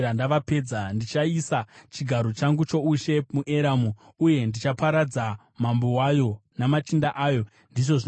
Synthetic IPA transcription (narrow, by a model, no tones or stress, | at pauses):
ndaʋape̞ːd͡zandit͡ʃaisat͡ʃiɡʱaɾo̞t͡ʃaŋɡut͡ʃo̞uʃe̞muʔeɾamu | uje̞ndit͡ʃapaɾad͡za | mambo̞wajo̞namat͡ʃindaʔaːjo̞ | ndiʐo̞ʐ